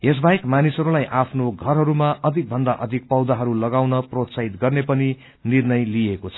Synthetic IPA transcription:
es̬baekmanisɦʌɾulajʔapʰnoɡʱʌrɦʌɾumaʌd̪ʱik̚bʱʌnd̪aʔʌd̪ʱik̚pʌwd̪aɦʌɾulʌɡawnʌprot̪saɦit̪ɡʌrnepʌni | nirnʌjliekot͡sʰʌ

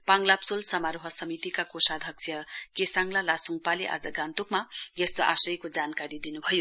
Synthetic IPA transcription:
paŋlapsolsʌmaɾoɦʌsʌmit̪ikakosad̪ʱʌksʰjʌkesaŋlalasuŋɡpaliʔa̰d͡zʌɡant̪ukmajest̪oʔasʌjkod͡zankaɾid̪inubʱʌjo

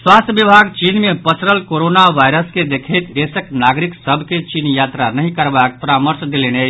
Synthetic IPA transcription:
swast̪ʰjəbibʱaɡt͡ʃinmepət͡ʃɾəlkoɾonaʋajɾəsked̪ekʰəjt̪d̪esəknaɡɾiksəbʱket͡ʃinjat̪ɾanəɦĩkəɾbak̚pəɾaməɾsd̪elenə

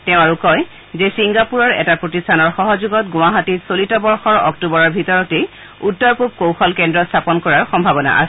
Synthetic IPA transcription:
tɛʊ̃aɹukɔj | zesiŋɡapuɹɔɹɛ̰tapɹotistʰanɔɹxɔɦɔzuɡɔtɡũwaɦatisolitɔbɔɹxɔɹɔ̰ktubɔɹɔɹbʱitɔɹɔte | utːɔɹpup̚kowxɔlkɛndɹɔstʰapɔnkɔɹaɹxɔmbʱabɔna̰ʔa̰sɛ

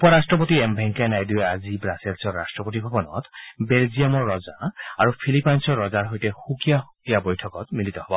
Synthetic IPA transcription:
upɔɹastɹɔp̬ot̪iɛmbʱɛŋkanajduɛazibɹaselsɔɹːastɹɔpot̪̬ibʱɔbɔnɔ̰t̪belziamɔɹːɔzaaɹupʰilipajnsɔɹːɔzaɹɦojtɛxukijaxukijabojtʰɔkɔt̪milit̪ɔhɔbɔ

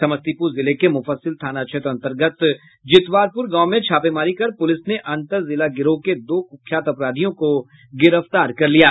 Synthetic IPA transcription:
sɐməst̪ipuɾzɪlekemʊfəsːɪlt̪ʰaːnat͡ʃʰɪt̪ɾɐ̃nt̪əɾɡət̪ | d͡ʒɪt̪waːɾpʊɾɡãːmẽt͡ʃʰaːpemaːɾikɐɾpʊlɪsneʔɐ̃nt̪əɾzɪlaɡɪɾoked̪oːkʊkʰjaːt̪ɐpɾaːd̪ʱijõko | ɡɪɾəft̪aːɾkɐɾlijaː

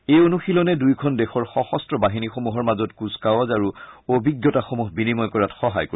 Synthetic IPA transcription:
ejonuxilɔnɛdujkʰɔndɛxɔɹxɔxɔstɹɔbaɦinixomuɦɔɹmazɔtkuskawɔzaɹuobʱiɡjɔtaxomuɦbinimɔjkɔɹatxɔɦa̰jko

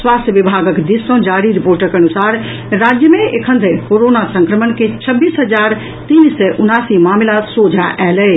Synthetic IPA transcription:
swast̪ʰjəʋibʱaɡəkd̪isə̃d͡ʒaɾiɾipoɾʈəkənusaɾ | ɾad͡ʒjəmeekʰənd̪ʱəɾkoɾonasə̃ŋkɾəmənket͡ʃʰəbːiːsɦəd͡ʒaɾ | t̪insɛʔunasimamlasod͡ʒʱaʔɛlɛ

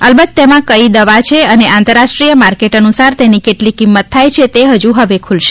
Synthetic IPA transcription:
əlbət̪̚t̪emãkəid̪əʋat͡ʃʰeəneãnt̪əɾːaʃʈɾijəmaɾkeʈənusaɾt̪enikeʈlikimːət̪ʰːajt͡ʃʰet̪eɦəd͡ʒuɦəʋekʰulʃe̥

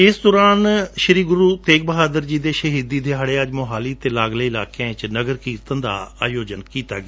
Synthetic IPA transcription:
ɪsd̪ɔːɾaːnʃəɾiːɡʊɾuːt̪eːk̚bəɦaːd̪əɾd͡ʒiːd̪eːʃəɦiːd̪iːd̪eːɦaɽeːəd͡ʒmoɦaːliːt̪eːlaːɡleːɪlaːkɛ̃t͡ʃnəɡəɾkiːt̪ənd̪a̰ːaːjoːd͡ʒənkiːt̪a̰ːɡeː

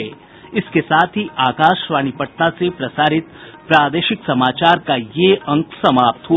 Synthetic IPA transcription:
e | ɪskesaːt̪ʰɦiʔaːkaːʃʋaːñipəʈ̚nasepɾɐsaːɾɪt̪̚pɾaːd̪eːʃɪksɐmaːt͡ʃaːɾkajeɐ̃ŋksɐmaːp̚t̪ɦu

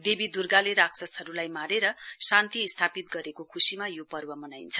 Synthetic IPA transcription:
d̪ebid̪urɡaleɾaksʌsʌɾulajmaɾeɾʌsant̪iːst̪ʰapit̪̚ɡʌɾekokʰusimajopʌrbʌmʌnajnt͡sʰʌ̥

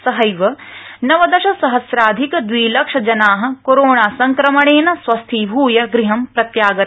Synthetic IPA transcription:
sɐɦɐjʋɐnɐʋɐd̪ɐʃɐsɐɦɐsɾaːd̪ʱikɐd̪ʋiːlɐkʂɐd͡ʒɐnaːɦɐ̆koɾoːɳaːsɐŋkɾɐmɐɽeːnɐsʋɐst̪ʰibʱuːjɐɡɾiɦɐmpɾɐt̪jaːɡɐ

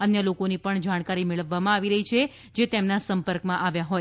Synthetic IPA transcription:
ənjəlokonipəɳd͡ʒaɽ̃kaɾimeɭəʋːamãaʋiɾəɦit͡ʃʰe | d͡ʒet̪emnasəmpəɾkmãʔaʋjaɦoj

